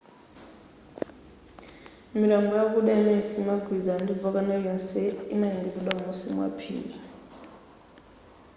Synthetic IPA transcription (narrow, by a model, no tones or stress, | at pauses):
imilaŋɡɔjak̬ʼuɓɛmɛsimaɡʱwizandivɔk̬ʼanajɛnsɛinaiŋɡizɛlamusimwa̰pʰḭːli